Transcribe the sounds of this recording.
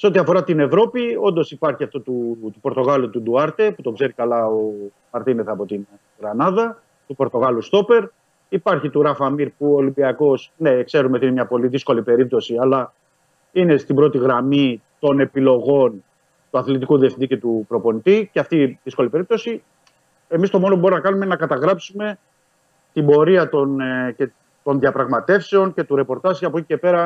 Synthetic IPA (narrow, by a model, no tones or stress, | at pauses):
seo̞t̪iɐfo̞ɾɐt̪ine̞vɾo̞pio̞nd̪o̞sipɐɾçiɐft̪ot̪ut̪upo̞ɾt̪o̞ɣɐlut̪ud̪uɐɾt̪e̞put̪o̞ɡze̞ɾikɐlɐo | ɐɾt̪ineθeɐpo̞t̪in | ɣɾɐnɐðɐ | t̪upo̞ɾt̪o̞ɣɐlust̪o̞pe̞ɾ | ipɐɾçit̪uɾɐfɐmiɾpuooːlimbiɐko̞snekse̞ɾumeinemɲɐpo̞liðisko̞lipe̞ɾip̚t̪o̞siɐlɐ | ine̞st̪ibɾo̞t̪iɣɾɐmit̪o̞ne̞pilo̞ɣo̞n | t̪uɐθlit̪ikuðiefθind̪ice̞t̪upɾo̞po̞nit̪iceɐft̪iðisko̞lipe̞ɾip̚t̪o̞si | emist̪o̞mo̞nopubo̞ɾinɐkɐnumeinenɐkɐt̪ɐɣɾɐpsume̞ | t̪ibo̞ɾiɐt̪once | t̪o̞nðiɐpɾɐɣmɐt̪e̞fse̞o̞nce̞t̪uɾe̞po̞ɾt̪ɐzɐpocice̞pe̞ɾɐ